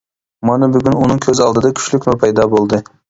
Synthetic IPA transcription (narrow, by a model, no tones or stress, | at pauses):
mɑnɨbyɡʲynunɨŋkʲʰøzɑlˠd̪ɨd̪ɑkʲʰy̥ʃlykʲmʊpʰɑjd̪ɑbolˠd̪ɨ